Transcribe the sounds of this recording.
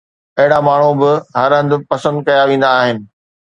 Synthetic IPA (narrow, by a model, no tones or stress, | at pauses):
ɐɦɪɽamaːɳ̤ubɪɦɐɾɦɐ̃nd̪pɐsə̃nd̪kɐjaʋẽːn̆d̪aːɦɪnɪ̆